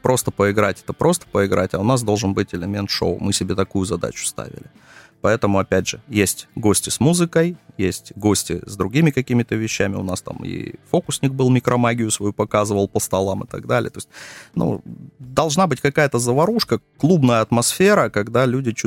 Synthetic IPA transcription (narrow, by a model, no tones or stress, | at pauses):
pɾo̞st̪əpəɪɡɾatʲɛ̥t̪əpɾo̞st̪ə̥pəɪɡɾʔa̰tʲɐʊnas̬d̪o̞lˠʐɨnbɨtʲɪlʲɪmʲe̞nt̪ʂo̰ʊ̰mɨsʲɪbʲet̪ɐkujʊzɐd̪a̰t͡ɕʊ̥st̪a̰vʲɪ̰lʲɪ | pɐɛt̪əmʊɐpʲædʲʐɨjesʲtʲɡo̞sʲtʲɪsmuzɨkəjjesʲtʲɡo̞sʲtʲɪ̰zd̪ɾʊɡʲimʲɪkɐkʲimʲɪt̪əvʲɪɕːæmʲɪ̰ʊ̰nast̪a̰mɪ̰fo̞kʊsʲnʲɪk̚bɨlˠmʲɪkɾʔɐmaɡʲɪjʊsvɐjupɐkazɨvəlˠpəst̪ɐlˠamɨt̪ɐ̰ɡd̪alʲɪ̰jət̪oɪsʲt̚ʲnṵd̪ɐlˠʐnabɨtʲkɐkajət̪əzəvɐɾuʂkəklˠubnəjəɐt̪mɐsfʲe̞ɾəkɐɡd̪alʲudʲɪt͡ɕ